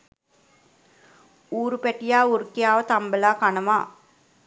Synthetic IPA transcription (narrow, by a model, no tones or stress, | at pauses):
uːɾupæʈijaːurkijaːʋət̪ambəlaːkanəma̰ː